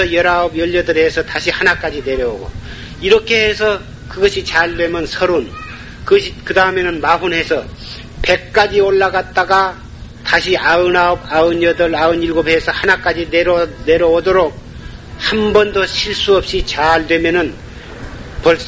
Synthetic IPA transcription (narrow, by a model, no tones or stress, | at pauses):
ʌjʌɾaʌbjʌʎːʌdɯɾɦe̞sʰʌtaɕʰihanak͈ad͡ʑine̞ɾjʌoɡo̰ | iɾʌkʰe̞hesʰʌ | kɯɡʌɕʰit͡ɕaɭdwe̞mjʌnsʰʌɾon | kɯʌɕʰikɯdaɯme̞nɯnmaɦunɦe̞sʰʌ | pe̞k̚k͈ad͡ʑioɭːaɡat̚t͈aɡa | taɕʰiaɯnaʌbaɯnjʌdɯɾaɯniɭɡobɦe̞sʰʌhanak͈ad͡ʑineɾne̞ɾʌodoɾok̚ | hambʌndoɕʰiɭs͈uʌp̚ɕ͈it͡ɕaɭdwe̞mjʌnɯn | pʌɭs